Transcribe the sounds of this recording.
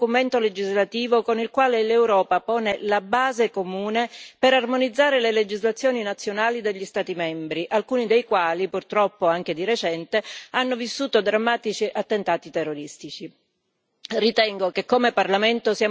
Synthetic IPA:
ument̪oled͡ʒizlat̪iːvokonilkwaːlelewɾɔːpapɔːnelabaːzekomuːnepeɾarmonid̪zːaːɾeleled͡ʒizlat̪sːjoːninat̪sːjonaːlid̪eʎːist̪aːt̪imɛmbɾiʔalkuːnid̪ejkwaːlipurt̪ɾɔpːoaŋk̟ed̪iɾet͡ʃɛnt̪eanːovisːuːt̪od̪ɾamːaːt̪it͡ʃiʔat̪ːent̪aːt̪it̪erːoɾist̪it͡ʃi | rit̪ɛŋɡokekːomeparlament̪osiaː

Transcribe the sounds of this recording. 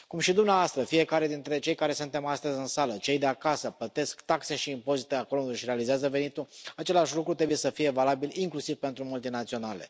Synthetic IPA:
kumʃid̪umneavoast̪ɾəfije̞kaɾe̞d̪int̪ɾe̞t͡ʃe̞jkaɾe̞sunt̪e̞mast̪əzʲɨnsalət͡ʃe̞jd̪e̞akasəplət̪e̞skt̪akse̞ʃiːmpo̞zit̪eakolond̪oʃiɾe̞alizeazəve̞nit̪uat͡ʃe̞laʃʲlukɾut̪ɾebuje̞səfije̞valabiliŋklusiv̥pe̞nt̪ɾumult̪inat̪sio̞nale̞̰

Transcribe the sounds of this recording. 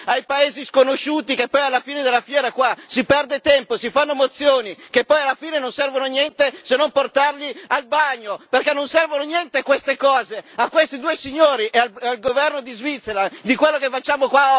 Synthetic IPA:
ajpaeːziskonoʃuːt̪ikepːɔjalːafiːned̪elːafjɛːɾakwasipɛrd̪et̪ɛmposifanːomot̪sːjoːnikepːɔjalːafiːnenonsɛrvononjɛnt̪esenːomport̪arlialbaɲːoperkɛnːonsɛrvononjɛnt̪ekwest̪ekɔːzeakːwest̪id̪uːesiɲːoːɾiʔeaalɡovɛrnod̪izvit̪sːeɾad̪ikwelːokefat͡ʃːaːmokwa

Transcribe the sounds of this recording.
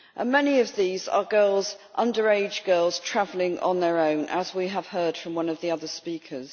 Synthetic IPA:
ʔə̰̃nmɛniəvðiːzə̰ɡɜːlˠzʔʌ̃ndəɹeɪd͡ʒɡɜːlˠz̥tʰɹ̥avəlɪ̃ŋʔə̰̃nðəɹõʊ̃nʔə̰zwiəv̥hɜːd̥fɹə̃mwʌ̃nəvðiʌðəspiˑkʰəz̥

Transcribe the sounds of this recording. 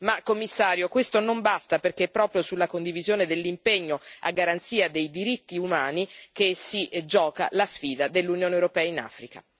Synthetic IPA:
makːomːisːaːɾjokwest̪onombast̪aperk̟epːɾɔːpɾjosulːakond̪ivizjoːned̪elːimpeɲːoa̰ɡːaɾant̪siːad̪ejd̪iɾit̪ːiumaːnik̟esid͡ʒɔːka̰lasfiːd̪ad̪elːunjoːnewɾopɛːaina̰ːfɾika̰

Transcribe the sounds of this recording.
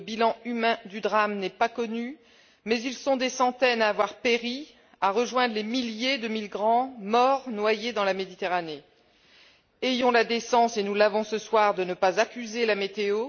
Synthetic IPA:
əbilɑ̃ymɛ̃d̪yd̪ʁamnɛpakɔny | mɛzilsɔ̃d̪esɑ̃t̪ɛnaːvwaʁpeʁi | aʁəʒwɛ̃d̪ʁlemiljed̪əmilɡʁɑ̃mɔʁnwajed̪ɑ̃lamed̪it̪eʁane | ejɔ̃lad̪esɑ̃senulavɔ̃səswaʁd̪ənəpazakʲyzelamet̪eo

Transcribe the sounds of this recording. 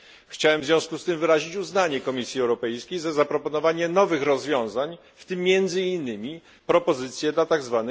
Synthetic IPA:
xt͡ɕawɛmvzʲvʲɔ̃w̃skust̪ɘmvɘɾaʑit͡ɕuznaɲɛkɔmʲisʲjiɛwɾɔpɛjskʲejzazapɾɔpɔnɔvaɲɛnɔvɘxɾɔzvʲjɔ̃w̃zaɲ | ft̪ɘmːjɛnd̪zɘinːɘmʲi | pɾɔpɔzɘt̪sʲjɛd̪lat̪aɡzvanɘ

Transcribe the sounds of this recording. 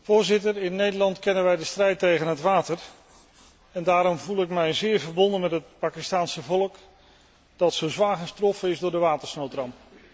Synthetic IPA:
vʊːɹzɪtəɹɪnːejdəɹlɑntkɛnənʋɛjdəstrɛjtejχənɦətʋaːtəɹ | ɛndaːɾɔmvulˠɪkmɛjzɪːɹvəɹbɔndənmɛtɦət̚paːkɪstaːnsəvɔlˠək | d̥ɑtsowzʋaːχəstrɔfənɪzdʊːɹdəʋaːtəɹsnowtrɑmp̚

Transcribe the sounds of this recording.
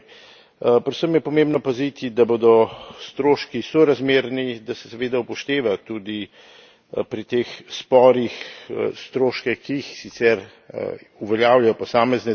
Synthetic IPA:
pɾosəmjɛpɔmẽːmbnɔpazit̪id̪aboːd̪ɔst̪ɾoːʃkisɔɾazmeːɾnid̪asɛ̥saʋeːd̪aupɔʃt̪eːʋat̪ud̪i | pɾit̪eːxspɔːɾixst̪ɾoːʃkɛxkiːxsit̪sɛɾ | uʋɛljaːwjajɔpɔsaːmɛznɛ

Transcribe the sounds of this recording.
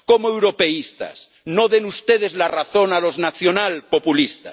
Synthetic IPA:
komoewɾope̞ist̪a̰s | noðenust̪eð̞ezlaraθo̞nalo̞znaθjonalpopulist̪a̰

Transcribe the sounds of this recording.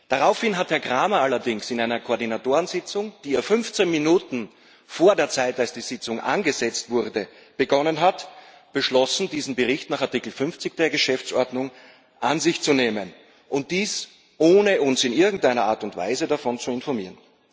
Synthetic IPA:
d̥aʁaʊfhɪnɦathɛɐɡʁaːmɐalɐdɪŋsɪnaɪnɐkʰoːɐdinatoːʁənzɪt͡sʊŋd̥iːɐfʏnft͡senminuːtn̩ | foːɐdeːɐt͡saɪtalsd̥iːz̥ɪt͡sʊŋʔa̰nɡəzɛt͡stv̥ʊʁdə | b̥əɡɔnənɦat | b̥əʃlɔsn̩diːzn̩bəʁɪçtnaːχaɐtikl̩fʏnft͡sɪçd̥eːɐɡəʃɛft͡sʔɔɐdnʊŋ | ʔanzɪçt͡suneːmən | ʔʊnt̚d̥iːs | ʔoːnəʊnsɪnɪɐɡŋ̩tʔaɪnɐʔa̰ːɐtʊntv̥a̰ɪzədafɔnt͡suɪnfɔɐmḭːɐʁən

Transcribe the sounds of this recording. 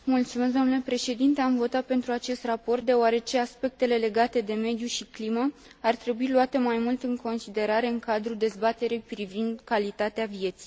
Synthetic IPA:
mult̪sumes̬d̪oomnule̞pɾe̞ʃe̞d̪int̪e̞amvo̞t̪at̪̚pe̞nt̪ɾuat͡ʃe̞st̪rapo̞rt̪̚d̪e̞oaɾe̞t͡ʃe̞aspe̞k̚t̪e̞le̞le̞ɡat̪e̞d̪e̞me̞d̪juʃikliməart̪ɾe̞builuat̪e̞majmult̪ɨŋko̞nsid̪e̞ɾaɾe̞ɨŋkad̪ɾud̪e̞zbat̪e̞ɾijpɾivind̪kalit̪at̪eavije̞t̪si̥j

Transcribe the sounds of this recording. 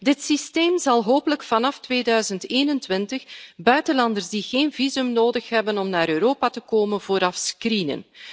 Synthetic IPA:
dɪtsisteːmzɑlˠɦoːpələkfɑnɑftʋeːdœɥzənteːnəntʋɪntəxbœɥtənlɑndərzdiɣeːnvizɵmnoːdəxɦɛbənɔmnaːɾøːɾoːpatəkoːmənvoːɾɑfskrinə̰n

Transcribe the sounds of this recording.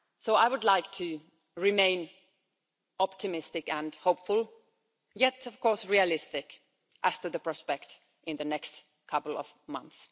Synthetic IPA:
soʊaɪwʊdˡlaɪk̚tʰɨ | ɹɪmẽɪ̃n | ɑp̚tʰɨmɪstɨkɨ̃nhoʊpfʊlˠ | jɛtʌv̥kʰɔɹsɹiɨlɪstɪk | ʔæz̥tɨðɨpʰɹ̥ɑspɛk̚t | ɨ̃nðɨnɛkst | kʰʌpl̩ˠʌ̰v̥mʌ̰̃nθs

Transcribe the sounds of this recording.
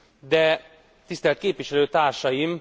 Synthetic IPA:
d̪ɛ | t̪ist̪ɛlɛt̪̚keːpʋiʃɛløːt̪aːrʃɒjim

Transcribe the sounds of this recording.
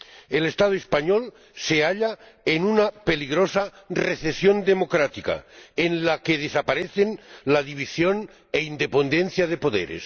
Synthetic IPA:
elest̪að̞oespaɲol | seaʎa | enunape̞liɣɾosareθesjond̪emo̞kɾat̪ika̰enlakeð̞esapaɾeθenlaðiβ̞isjon | eind̪e̞pend̪enθjað̞epo̞ðḛɾḛs

